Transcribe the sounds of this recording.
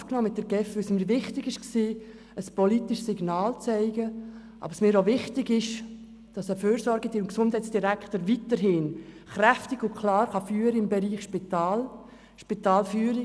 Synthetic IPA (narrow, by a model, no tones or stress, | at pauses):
fknɔːmɪt̚d̥əɾɡ̥ɛfʋʏsməɾvɪχtɪɡɪʃksiː | əspɔlitɪʃsɪɡnɑːlt͡sɛɪɡə | ʔɑ̰bəsmɪːɾoʋɪχtɪɡɪʃ | d̥ɑsəføːɾsɔɾɡədiʊnksʊnd̥hɛɪtsd̥iɾækχtəɾvitəɾɦɪːn | χɾæftɪɡʊkʰlɑːɾχɑfyːəɾəɪmbɛɾiːχʃpitɑːl | ʃpitɑːlfyːəɾɪ